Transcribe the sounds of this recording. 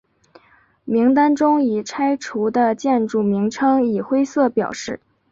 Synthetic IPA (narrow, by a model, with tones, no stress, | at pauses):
mi˧˥ŋt̪a˥nʈ͡ʂʊ˥ŋi˨˩ʈ͡ʂʰa˥ɪʈ͡ʂʰu˧˥d̪ə˧t͡ɕjɛ˥˧nʈ͡ʂu˥˩mi˧˥ŋʈ͡ʂʰɤ˥ŋi˨˩xwe˥ɪsɤ˥˩pjɑ˨˩ʊʂɻ̩˥˩